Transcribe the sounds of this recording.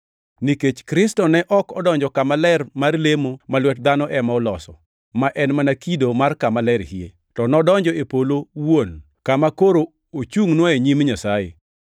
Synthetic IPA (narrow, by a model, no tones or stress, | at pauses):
niket͡ʃkɾɪstɔnɛʔɔkɔdɔɲd͡ʒɔkamalɛrmarlemomalwɛt̚d̪anɔʔɛmaɔlɔsɔ | maʔɛnmanakidomarkamalɛɾhiḛ | tɔnɔdɔɲd͡ʒɔepolowon | kamakoɾo | ot͡ʃuŋnwɔeɲimɲasajḛ